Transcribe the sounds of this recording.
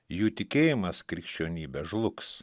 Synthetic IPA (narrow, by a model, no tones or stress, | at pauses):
juːt̪ʲɪkʲeːjɪmɐskɾʲɪkʃʲt͡ʃʲoːnʲiːbʲɛʒlˠʊks